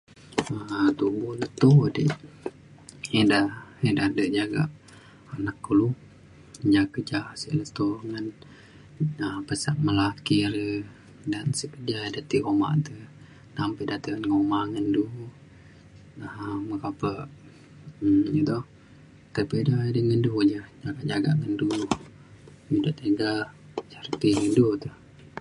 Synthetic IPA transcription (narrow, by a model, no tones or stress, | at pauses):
ət̪ubuhlət̪odəʔ | idaidahdəʔd͡ʒaɡa̰ʔ | anakːulu | d͡ʒakəd͡ʒasə̰ʔlət̪oŋən | əpəsaʔ̚məlakiɾə | dansəkəd͡ʒadat̪iʔoma̰ʔt̪ə | nampədat̪əənŋomaŋəndu | əməkapəʔ | jət̪o | t̪ərbedajdəŋəndud͡ʒəd͡ʒaɡaʔd͡ʒaɡaʔŋəndu | midoʔt̪əɡat͡ʃərt̪iŋəndut̪əh